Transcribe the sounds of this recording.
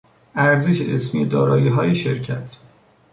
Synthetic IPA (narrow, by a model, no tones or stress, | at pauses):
æɾzeʃeʔesmijed̪ɒːɾɒːjiːɦɒːjeʃeɾcʰæt̪ʰ